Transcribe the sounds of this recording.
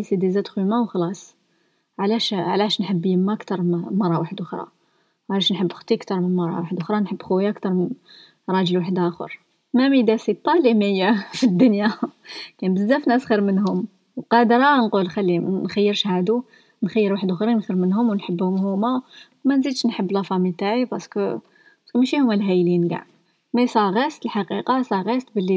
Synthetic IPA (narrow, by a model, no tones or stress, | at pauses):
sid̪izæt̪xwimæwxɑlɑsˤ | ʕlæʃʕlæʃnħəbːjəmːæəkt̪ɑɾˤmmɑɾˤːɑwaħd̪ʊxɾˤɑ̰ | ʕlæʃnħəbːxt̪ˤiʔkt̪ɑɾˤmənmɑɾˤːɑ̰waħd̪ʊxɾˤɑnħəbːxuwjaæʔkt̪ɑɾˤmən | ɾˤɑʒəlwaħəd̪æxə̰ɾˤ | mæmid̪æsit̪ˤːɑliməjːæfid̪ːʊnjakænbəzːæfnæsxəɾmənɦʊm | wqɑd̪ɾɑnqulxælːinxæjːəɾʃhæd̪u | nxæjːəɾwaħəd̪ʊxɾinxəɾmənɦʊmwnħəbːhʊmhʊmæ | mænzid̪ʃnħəbːlɑfɑmit̪aʕibæsk | bæskmæʃihʊmːælɦæjlinɡa̰ʕ | mæsˤɑɣist̪əlħaqiqɑsˤɑɣist̪bəlːi